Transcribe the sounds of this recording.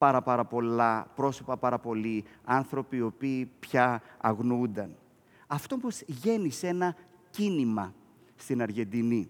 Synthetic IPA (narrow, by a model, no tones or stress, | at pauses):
pɐɾɐpɐɾɐpo̞lɐpɾo̞sopɐpɐɾɐpo̞liɐnθɾo̞pio̞piːpçɐɐɣnund̪ɐn | ɐft̪o̞posʝe̞nise̞nɐcinimɐ | st̪inɐɾʝe̞nd̪ini